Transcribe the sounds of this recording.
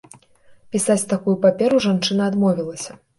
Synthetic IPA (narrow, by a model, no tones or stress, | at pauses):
pʲisat͡sʲt̪akujupapʲɛɾuʐant͡ʂɨnɐːd̪mɔvʲilˠɐsʲɐ̥